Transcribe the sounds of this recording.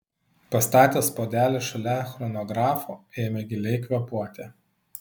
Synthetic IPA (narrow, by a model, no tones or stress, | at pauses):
pɐst̪ɑːt̪ʲeːspoːd̪ʲæːlʲɛʃɐlʲɛxɾɔnɔɡɾɑːfuːeːmʲɛɡʲɪlʲɛɪkʋʲɛpuɔt̪ʲeː